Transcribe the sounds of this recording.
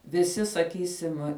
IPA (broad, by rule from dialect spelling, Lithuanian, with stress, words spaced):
ʋʲɪˈsʲɪ sɐˈkʲiːsʲɪm